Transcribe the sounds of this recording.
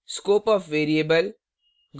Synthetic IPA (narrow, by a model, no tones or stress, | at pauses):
skoːpɔːfʋeːɾiebəl | ɡ